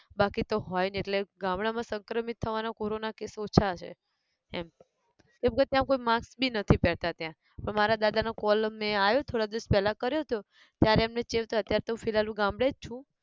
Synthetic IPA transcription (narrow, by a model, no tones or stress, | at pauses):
bakit̪oɦɔjneʈleɡãmɽamãsəŋkɾəmit̪ʰːəʋanakoɾonakesot͡ʃʰat͡ʃʰḛ | ɛm | k̪ebəkət̪jamkoimãksbinət̪ʰipɛɭt̪at̪jã | pəɳmaɾad̪ad̪anokɔlmeajot̪ʰoɽad̪eɾspɛlakəɾjot̪jo | t̪jaɾeamnet͡ʃeʋt̪oət̪jaɾet̪oũfilalũɡãmbɽed͡ʒt͡ʃʰũ